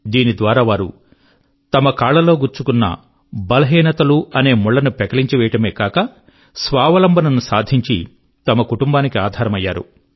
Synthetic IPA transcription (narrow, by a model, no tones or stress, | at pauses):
d̪iːnid̪ʋaːɾaːʋaːɾṵ | t̪ɐmɐkaːɭɐlo̞ːɡuɾt͡ʃukunːɐ̰ | bɐlɐɦiːnɐt̪ɐluɐne̞ːmuɭːɐnupɛkɐɭiɲt͡ʃiʋɛjɐʈɐme̞ːkaːkɐ | sʋaːʋɐlɐmbɐnɐnusaːd̪ʱiɲt͡ʃi | t̪ɐmɐkuʈumbaːnikiaːd̪ʱaːɾɐmɐjːaːɾṵ